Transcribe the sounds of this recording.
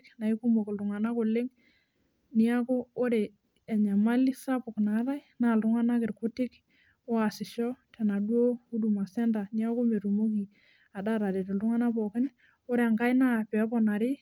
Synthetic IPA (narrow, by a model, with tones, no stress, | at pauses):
kna˨ɪ˦ku˦mo˨kɪ˨ltʊ˨ŋa˨na˦kʊ˨lɪ˦ŋ | nɪ˦a˦koː˦ɾe˨ | ɛ˨ɲa˨ma˦li˦sa˦pʊ˨kna˨˦ɾa˦jna˦˨ltʊ˦ŋa˦na˦kɪ˨ɾkʊ˦tɪ˦k | o˦a˨sɪ˨ʃɔ˦tɛ˨na˨dwo˦u˦du˨ma˨sɛ˦nda˨ni˦a˦ko˦me˨ɾu˨mo˦ki˨ | a˨da˦ɾa˨ɾe˨te˨ltʊ˦ŋa˦na˦pɔ˨kɪ˦n | o˦ɾe˨a˨ŋka˦jna˦˨pɛ˨˦pɔ˨na˨ɾɪ˦